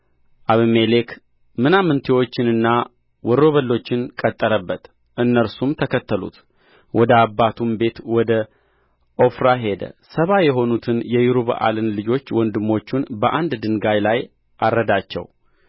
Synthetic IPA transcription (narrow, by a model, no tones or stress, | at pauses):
ʔaβmelek | mɨnamɨnt̪ʰewo̞t͡ʃːɪnɨnːa | wɔɾo̞βəlːo̞t͡ʃːɪnkʼət̪ʼːəɾəbːət̪ | ʔɨnːəɾsumt̪ʰəkʰət̪ːəlṵt̪ | wɔd̪əabːat̪ʰumbe̞t̪wɔd̪ə | ʔo̞fɾaɦe̞d̪ə̰səβajɛɦo̞nut̪ʰɨnjɛjuɾuβ̰ʔa̰lɨnlɨd͡ʒo̞t͡ʃːwɔnd̪ɨmːo̞t͡ʃːunbəʔand̪d̪ɨŋɡajlaj | ʔarːəd̪at͡ʃːɛ̰w